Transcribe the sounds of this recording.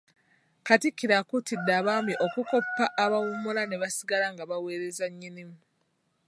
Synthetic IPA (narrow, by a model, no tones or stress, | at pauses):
katikːiɾakutidːaːβaːmbiʔo̞kuko̞pːaʔːβawumulane̞βasiɡalaŋɡaβawe̞ːɾe̞zaɲːinimu